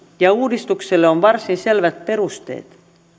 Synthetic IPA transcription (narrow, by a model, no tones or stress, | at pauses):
jɑuːdist̪ukselːeonʋɑrsinse̞lʋæt̪̚pe̞ɾust̪ḛːt̪